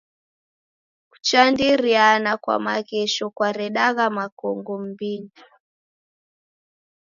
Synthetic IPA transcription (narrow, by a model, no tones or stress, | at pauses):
ku̥t͡ʃandiɾianakwa̰maɣɛʃɔkwaɾɛɗaɣamakɔŋɡɔm̩bini